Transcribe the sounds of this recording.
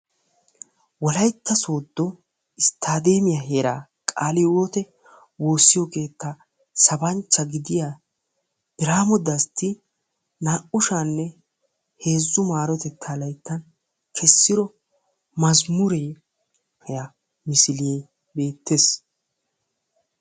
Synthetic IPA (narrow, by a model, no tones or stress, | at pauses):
wɔlɐjt̪ːɐso̞ːd̪ːɔ | ɪst̪ʰaːd̪e̞ːmɪjɐɦeːɾa̰ː | kʼaːlɪwoːt̪ɛ | wo̞ːsːɪjɔke̞ːt̪ːɐ | sɐbɐnt͡ʃːɐɡɪd̪ɪja | b̥ɪɾaːmɔd̪ɐst̪ːɪ | naːʔʊʃanːɛ | he̞ːzːʊmaːɾɔt̪ɛt̪ʰːaːlɐjt̪ːɐn | kʰɛsːɪɾɔ | mɐzmʊɾeː | hɛjɐ | mɪsɪlɪje | be̞ːt̪ːeːs